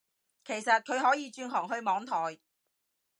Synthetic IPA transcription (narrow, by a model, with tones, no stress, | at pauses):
kʰe˨˩jsɐ˨t̚kʰɵ˨˧ɥɦɔː˨˥jiː˨˧t͡ʃyː˧nɦɔː˨˩ŋɦɵ˧ɥmɔː˨˧ŋt̪ʰɔː˨˩j